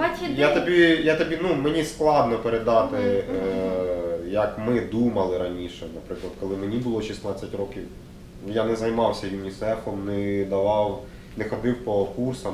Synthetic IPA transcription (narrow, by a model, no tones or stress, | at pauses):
jat̪ɔbʲijat̪ɔbʲinumenʲisklˠɑd̪nɔpeɾed̪ɑt̪ɪ | jɐkmɪd̪umɐlˠɪɾɐnʲiʃɛnɐpɾɪklˠɐd̪̚kɔlˠɪmenʲibʊlˠɔʃist̪nat͡sʲːɐtʲrɔkʲiw | janɛzɐjmɑwsʲɐjunʲisɛfɔmnɛd̪ɐʋɑw | nɛxɔd̪ɪwpɔkursɐm